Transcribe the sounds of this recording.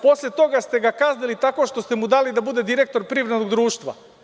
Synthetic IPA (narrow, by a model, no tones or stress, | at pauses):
po̞slʲet̪o̞ɡast̪e̞ɡakaznilit̪ako̞ʃt̪o̞st̪e̞mud̪alid̪abud̪e̞d̪iɾe̞k̚t̪o̞ɾpɾiʋɾed̪noɡd̪ɾuːʃt̪ʋa̰